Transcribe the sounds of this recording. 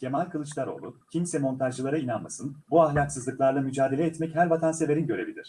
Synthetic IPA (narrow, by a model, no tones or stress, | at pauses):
cʰe̞malʲkʰɯlˠɯt͡ʃlˠaɾo̞̰lˠucʰimsɛmo̞nt̪ʰaʒlɯlˠaɾainanmasɯnbuaɦlʲaksɯzlˠɯklˠaɾlˠamyd͡ʒaːd̪e̞lʲɛːt̪mɛchæɾvat̪ʰanse̞ve̞ɾinɟø̞ɾe̞bilʲiɾ̥